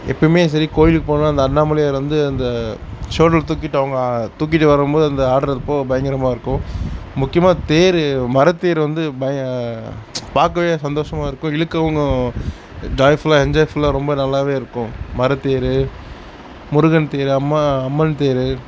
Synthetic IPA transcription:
ɛ̰pːɐɽɪmeːs̬ɐɾikoːjɪlkːɯpoːɳnaːɐnd̪ɐnːaːmɐlɪjaːɾʋɐnd̪ɯɐnd̪ɐsoːʈːɐlt̪uːk̬ːɪʈːɯɐʋɐŋɡɐt̪uːk̬ːɪʈːɯʋɐɾɯmboːðɯɐnd̪ɐaːɽɐɾɐðɯpːoːbɐjɐŋɡɪɾɐmaːɪɾɯkːʊ̃mʊkːɪjɐmaːt̪eːɾɯmɐɾɐt̪ːeːɾʋɐnd̪ɯbɐjɐ | paːɾkːɐʋeːjɐsɐnd̪oːʂɐmaːɪɾɯkːʊ̃ɪlɯkːɐʋɐŋɡɐ | ɖɾaːjflaɛɲd͡ʒɐːfɯlaɾɔmbɐnɐlːaːʋeːɪɾɯkːʊ̃mɐɾɐt̪ːeːɾɯ | mʊɾɯɣɐnt̪eːɾɯɐmːaɐmːɐnt̪eːɾɯ

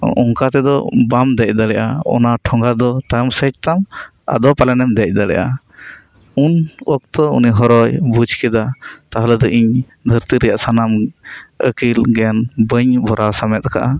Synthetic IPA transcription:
ɔŋkat̪ɛd̪ɔ̰bamd̪ɛc̚ˀd̪alɛʔaɔ̰naʈʰɔŋɡad̪ɔt̪ajɔmsət͡ʃ̚t̪am | a̰d̪ɔpalɛnɛmd̪ɛc̚ˀd̪alɛ̰jʔa̰ | unɔk̚t̪ɔṵniɦɔɾɔjbud͡ʒʱkɛd̪at̪aɦalɛd̪ɔʔiɲ | d̪ʱəɾt̪iɾɛjaʔsanamə̰kilɡɛnbəɲbʱɔɾʔasamɛt̪̚ka̰ʔa

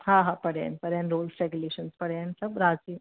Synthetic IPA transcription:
hãɦapəɽja̰npəɾjãnɾoːlsɾɛɡuleɕənspəɽjansəbɾad͡zi

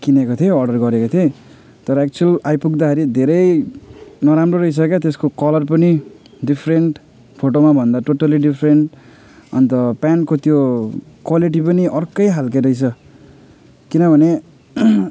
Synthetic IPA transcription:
kinekot̪ʰieʌrɖʌrɡʌɾekot̪ʰie | t̪ʌɾʌek̚t͡suʌlajpuɡd̪akʰeɾid̪ʱeɾʌj | nʌɾamroɾʌɦis̬ʌkjat̪eskokʌlʌrpʌni | ɖipʰreɳʈ | pʰoʈomabʱʌnd̪aʈoʈaliɖipʰɾeɳʈ | ʌ̰nt̪ʌpankot̪jokwaliʈ̬ipʌniʔʌrkʌjɦalkeɾʌjt͡sʰʌ | kinʌbʱʌne

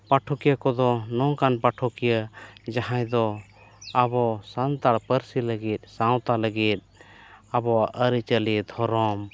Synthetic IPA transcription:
paʈʰɔkijəkɔd̪ɔnɔŋkanpaʈʰɔkijəd͡ʒaɦãjd̪ɔ | abɔsant̪aɽpəɾsiləɡit̪̚sãw̃t̪aləɡit̪̚ | abɔaʔəɾit͡ʃəlid̪ʱɔɾɔm

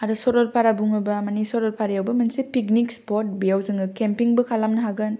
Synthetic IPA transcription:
aɾɯsɔɾɔlpʰaɾabuŋɯbɐmanisɔɾɔlpʰaɾajawbɐmɐnsipik̚nikspɔt̚bijawzɯŋɡɯkempiŋbɯkʰalamnɐɦaɡɯn

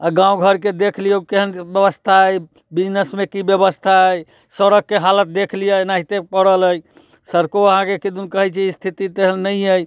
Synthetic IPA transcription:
aɡãũɡʱəɾked̪ekʰlijəkeɦənbjəβəst̪ʰaəj | bid͡ʒnəsmekibjəbəst̪ʰaəj | səɾəɡ̚kːeɦalət̪̚d̪ekʰlijənaɦit̪epəɽələj | səɾkoəɦãkekid̪unkəɦɛjt͡ʃʰɛist̪ʰit̪it̪eɦənːəəj

